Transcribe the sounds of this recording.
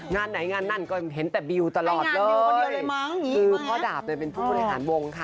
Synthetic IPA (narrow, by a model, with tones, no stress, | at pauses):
ŋaː˧nːa˩˦jŋaː˧nːa˥˩nkɔː˥˩ɦe˩˦nt̪ɛː˨˩bi˧wt̪a˧lɔː˨˩t̪̚lɤː˧ljjma˦˥˩ŋʰɯː˧pʰɔː˥˩daː˨˩p̚na˧˥˩pe˧npʰuː˥˩bɔ˧li˧ɦa̰ː˩˦nwo˧ŋkʰa˦˥˩